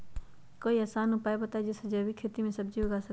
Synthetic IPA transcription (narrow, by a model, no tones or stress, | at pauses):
koːiɐːsaːnʊpaːebɐt̪aːed͡ʒɪsd͡ʒɐbikʰeːt̪imẽsɐb̚d͡ʒiɦoɡaːsə